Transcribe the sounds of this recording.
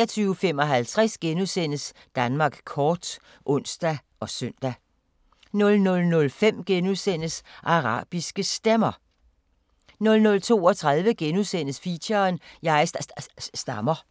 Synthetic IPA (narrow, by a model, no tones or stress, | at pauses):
ɐt͡sʰyːʊfem̰ɒ̽ɦælt͡sʰʁasɡ̥enusen̰əs | d̥ænmɑ̈ːɡ̥kʰɒːd̥ | ʔɔ̽n̰sd̥æ | ɒ̽sœn̰d̥æ | nɔ̽lnɔ̽lnɔ̽lfem̰ɡ̥enuðˠsen̰əsʔɑ̈ʁɑ̰̈ːb̥isɡ̥əsd̥emɐ | nɔ̽lnɔ̽lt͡sʰo̝̰ːɒ̽t͡sʰʁɑð̞ˠʋəɡ̥enuðˠsen̰əsfiɕɐːnjɑ̈ɪsd̥ɑmɐ